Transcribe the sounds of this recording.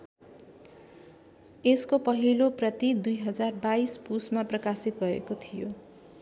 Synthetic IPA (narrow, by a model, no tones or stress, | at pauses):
eskopʌɦiloprʌt̪id̪ujɦʌd͡zarbaispusmaprʌkasit̪̚bʱʌḛkot̪ʰijo